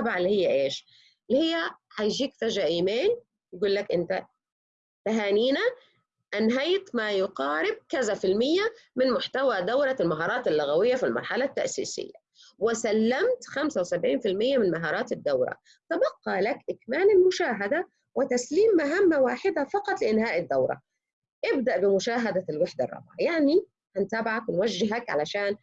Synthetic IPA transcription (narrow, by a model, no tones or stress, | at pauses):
bʕalːihɪjːaʔeːʃ | lːihɪjːaħajʒiːkfaʒʕaʔiːmeːn | jɡuːlːakʔɪnt̪a | b̥aɦaːniːna | ʔanɦajt̪majʊqɑːɾɪb̚kazafɪlmɪjːa | mɪnmʊħt̪awad̪awɾˤɑlmaɦɑːɾˤɑːt̪alːʊɣawɪjːafilmɑ̰ɾˤħalat̪ːa̰ʔsḭːsɪ̰jːa̰ | wɪsalːamt̪xamsawɪsabʕiːnfɪlmɪjːamɪnmaɦɑːɾˤɑːt̪ɪd̪ːawɾˤɑ̰ | t̪abɑqːɑlakʔɪkmaːnɪlmʊʃaːɦad̪a | wɪt̪asliːmːaɦamːawaːħɪd̪afɑqɑt̪ˤlɪʔɪnhaːʔɪd̪ːawɾˤɑ̰ | ʔɪb̚d̪aʔbɪmʊʃaːɦad̪alwaħd̪a̰rˤːɑ̰bʕajaʕni | hant̪aːbɪʕakwɪnwaʒːɪɦakʕa̰laʃaːn